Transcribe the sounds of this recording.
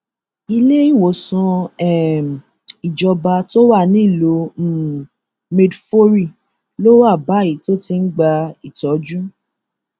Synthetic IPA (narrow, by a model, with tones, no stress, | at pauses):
i˧le˦i˦˨wo˨sɔ̃˧ɛ˦˨ | i˨d͡ʒɔ˧ba˧to˦wa˦˨nĩ˦˨lo˧˦ | me˧dfo˦ɾi˦˨ | lo˦wa˦˨ba˨˦˨i˨˦to˦ti˧n̩˦ɡ͡ba˧i˨tɔ˨˦d͡ʒũ˦